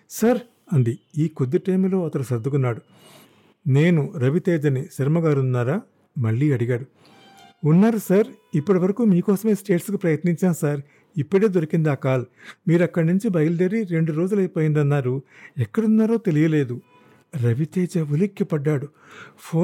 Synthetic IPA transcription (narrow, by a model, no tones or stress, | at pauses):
sɐɾ | ɐnd̪iiːkod̪ːiʈɐjmlo̞ːɐt̪ɐɽusɐd̪ːukunːaːɽu | ne̞ːnuɾɐʋit̪eːd͡ʒɐniʃɐɾmɐɡaːɾunːaːɾaː | mɐɭːiːɐɽiɡaːɽu | unːaːɾusɐɾ | ipːuɽiʋɐɾɐkuːmiːkɔːsɐme̞ːsʈe̞ːʈskupɾɐjɐt̪niɲt͡ʃaːnsɐɾ | ipːɐɽeːd̪o̞ɾɐkind̪iaːkaːlmiːɾɐkːɐɽnuɲt͡ʃibɐjɐlɖɐɾiɾe̞ɳɖuɾo̞ːd͡ʒulɐjpo̞ːjind̪ɐnːaːɾuɛkːɐɽunːaːɾo̞ːt̪e̞lijɐle̞ːd̪u | ɾɐʋit̪eːd͡ʒɐʋulikːipɐɖːaːɽu | pʰoː